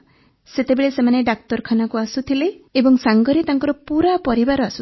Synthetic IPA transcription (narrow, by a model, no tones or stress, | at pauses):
set̪ebeɭesemaneɖak̚t̪ɔɾkʰanakuasut̪ʰileːbɔŋsaŋɡɔɾit̪aŋkɔɾɔpuɾapɔɾibaɾɔasu